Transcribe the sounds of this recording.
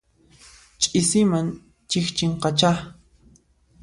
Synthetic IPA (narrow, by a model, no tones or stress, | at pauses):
t͡ʃʼɪsɪman | t͡ʃɪxt͡ʃɪɴqɑt͡ʃa